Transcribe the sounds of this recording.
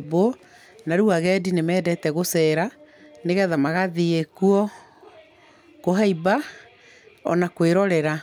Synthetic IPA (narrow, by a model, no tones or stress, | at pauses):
bɔ | naɾuaɣɛdinemɛːdɛtɛɣosɛːɾaneɣɛðamaɣaðiekuɔ | koɦaiba | ɔ̰nakweɾɔɾɛɾa